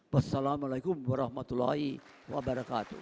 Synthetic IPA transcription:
wasːalamalajkʊmwaɾɑhmat̪ulːa̰hi | wa̰baɾakaːt̪ṵ

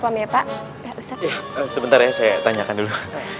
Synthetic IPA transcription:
pamapaʔ | jausajaəsəbənt̪aɾjasajat̪aɲakandulu

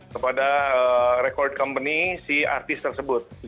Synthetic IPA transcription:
kəpadaəɾekɔrd̚kɔmpənisia̰rt̪ɪst̪ərsəbʊt̪̚

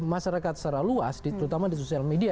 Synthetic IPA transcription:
maʃaɾakat̪̚saɾaluasdit̪əɾut̪amadisosialmedia

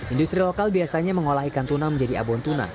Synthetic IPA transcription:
indust̪ɾilokalbiasaɲaməŋolaɦikant̪unaməɲd͡ʒadia̰bɔnt̪una̰

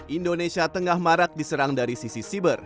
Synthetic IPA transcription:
ʔindonesiat̪əŋahmaɾak̚disəɾaŋdaɾisisisibər

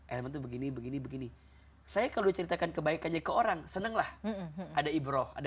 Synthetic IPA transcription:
ʔalamant̪ubəɡinibəɡinibəɡini | sajakaluit͡ʃəɾit̪akankəbaikanɲakəoɾaŋsənəŋlahadaibɾoa̰d

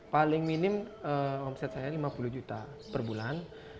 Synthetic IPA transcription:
palɪŋminɪməɔmsɛt̪̚sajalimapuluhd͡ʒut̪a | pərbulan

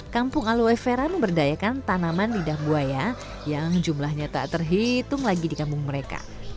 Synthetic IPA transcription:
kampʊŋaluɛfeɾaməmbərdajakant̪anamanlidahbuaja | jaŋd͡ʒumlahɲat̪a̰ʔt̪ərɦit̪ʊŋlaɡidikampʊŋməɾeka̰

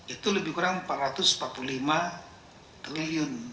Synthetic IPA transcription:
it̪uləbɪhkuɾaŋəmpat̪rat̪ʊspat̪̚pululima | t̪ɾiliʊn

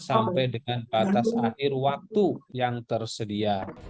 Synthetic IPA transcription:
sampajdəŋanbat̪asaɦɪrwak̚t̪ujaŋt̪ərsədia

